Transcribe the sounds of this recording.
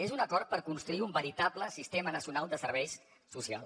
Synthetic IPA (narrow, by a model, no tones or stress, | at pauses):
ezunəkɔɾt̪̚pəɾkunst̪ɾuiumbəɾit̪abləsist̪emənəsiunalˠd̪əsəɾβɛjsː | usia̰lˠ